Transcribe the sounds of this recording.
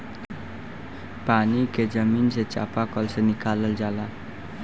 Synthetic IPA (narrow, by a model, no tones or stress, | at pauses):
paːniked͡ʒəminset͡ʃa̰pakəlsenɪkaləld͡ʒaːla